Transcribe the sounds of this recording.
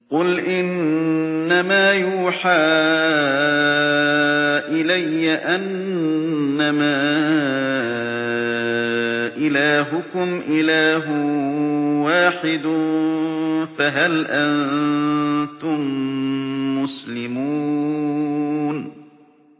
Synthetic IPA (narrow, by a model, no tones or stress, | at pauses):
qʊlʔɪnː | amaːjuːħaː | ʔɪlajːaʔanː | amaː | ʔɪlaːɦʊkʊmʔɪlaːɦʊ | waːħɪd̪ʊ | faɦalʔan | t̪ʊmː | ʊslɪmuː | n